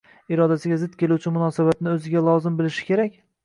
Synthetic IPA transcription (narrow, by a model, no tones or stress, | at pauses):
ɪɾɒd̪asɪɡʲazɪd̪̚kʲʰe̞lut͡ʃʰɪmʊnɒːsabat̪nɪɵzɪɡʲalˠɒzɪmbɪlɪʃɪ̥kʲʰe̞ɾakʲ